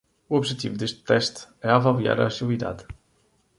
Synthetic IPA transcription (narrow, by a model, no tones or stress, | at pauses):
uɔβʒɛt̪ḭvud̪eʃt̪t̪ɛʃt̪ɛavɐlˠia̰ɾɐsilˠiða̰ð